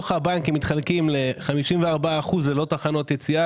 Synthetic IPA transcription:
oχabankimit̪χalkimleχamiʃimveaʁbaːχuzlelo̞taχano̞t̪jet͡sia

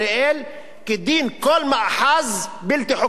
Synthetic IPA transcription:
eʔæːl | kɪd̪ːiːnkoːlmaʔħazbɪlt̪eħo

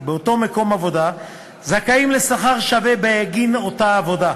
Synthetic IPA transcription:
beoto̞meko̞mavo̞da | zakaimle̞saχaʁʃavebeeɡino̞taːvo̞da

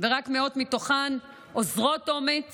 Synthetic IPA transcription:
veʁakmeo̞tmitoχan | ʔozʁo̞to̞met͡s

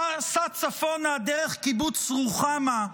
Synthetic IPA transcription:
sat͡safonad̪eʁeχkibut͡sʁuχama

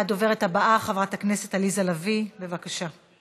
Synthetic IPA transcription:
ado̞ve̞ʁethabaʔaχavʁatakne̞se̞talizalavibe̞vakaʃa

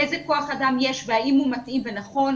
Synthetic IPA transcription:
ejzeko̞aχadamjeʃveaimhumatʔimve̞naχo̞n

